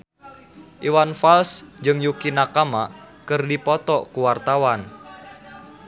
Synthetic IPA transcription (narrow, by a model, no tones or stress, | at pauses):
ʔiwanfalsd͡ʒɨŋjukinakamakɨrdipɔt̪ɔkuwart̪awan